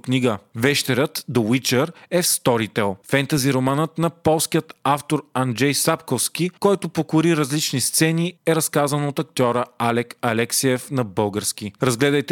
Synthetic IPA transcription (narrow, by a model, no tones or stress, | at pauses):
kniɡəvɛʃt̪ɛɾət̪d̪owit͡ʃəɾɛfst̪ɔɾit̪ɛlˠfɛnt̪ɐziɾomanət̪nɐpɔlˠskijət̪aft̪oɾɐnd͡ʒɛjsapkofskikɔjt̪ʊpokʊɾiɾɐzlit͡ʃnist̪sɛniɛɾɐskazənot̪ɐk̚t̪ʲɔɾəalɛkɐlɛksiɛfnɐbɤlˠɡəɾsk̟iɾɐzɡlɛd̪əjt̪ɛ